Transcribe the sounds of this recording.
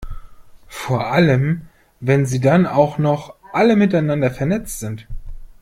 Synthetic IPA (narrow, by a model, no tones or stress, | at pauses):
foːɐʔaləm | vɛnziːdanaʊxnɔχʔaləmɪtaɪnandɐfɛɐnɛt͡stz̥ɪnt